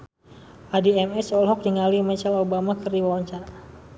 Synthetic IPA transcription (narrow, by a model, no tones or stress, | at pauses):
ʔadiɛmɛsɔlɦɔk̚diŋalimɛt͡ʃalobamakɨrdiwawaɲt͡ʃa